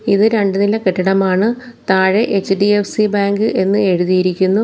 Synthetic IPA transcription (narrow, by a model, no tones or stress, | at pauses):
iðɨɾeɳɖɨnilɐkeʈːɐɽɐmaːɳɨ | t̪aːɻeʔet͡ɕːɨɖiefsibaːŋɡɨʔe̞nːɨe̞ɻuðijiɾikʲːunːu